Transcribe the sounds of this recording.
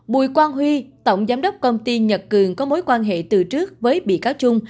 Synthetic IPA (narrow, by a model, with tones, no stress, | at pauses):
ɓṵ˨˩jkwaː˧nɦwi˧t̪ə̰˧˨wŋ͡mzaː˨˦mɗə˦˥wk͡p̚kə˧wŋ͡mt̪i˧ɲə˨˩t̚kɨ˨˩əŋkɔ˨˦mo˨˦jkwaː˧nɦḛ˧˨t̪ɨ˨˩t͡ɕɨ˦˥ək̚vəː˨˦jɓḭ˧˨kaː˨˦wt͡ɕʊ˧ŋ͡m